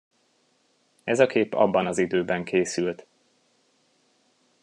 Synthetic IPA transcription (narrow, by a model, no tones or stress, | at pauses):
ɛzɒkʰeːpɒ̰bːɒnɒzid̪øːbɛŋkeːsylt̪